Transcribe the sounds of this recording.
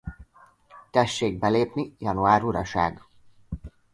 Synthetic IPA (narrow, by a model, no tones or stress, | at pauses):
t̪ɛʃːeːɡ̚bɛleːpnijɒnuaːɾuɾɒʃa̰ːɡ